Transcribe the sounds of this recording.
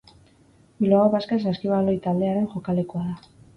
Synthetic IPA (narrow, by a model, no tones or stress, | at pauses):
bilooβaskes̬askiβalo̞jt̪ald̪e̞aɾe̞nʝo̞kale̞koaða